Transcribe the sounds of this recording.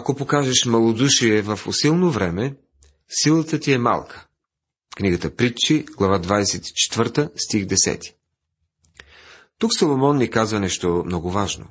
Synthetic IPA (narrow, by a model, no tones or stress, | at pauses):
ɐkopokaʒɛʃmɐlˠod̪uʃiɛvəfo̰silˠnovɾɛmɛ | silˠət̪ət̪iɛma̰lˠkʰə̥ | kniɡət̪əpɾit͡ʃːiɡ̥lˠɐvad̪vad̪ɛsɛt̪i̥t͡ʃɛ̥t̪vəɾt̪əst̪ixd̪ɛsɛ̰t̪i̥ | t̪uksɐlˠomɔnːikazvɐnɛʃt̪omnɔɡʊvaʒno̰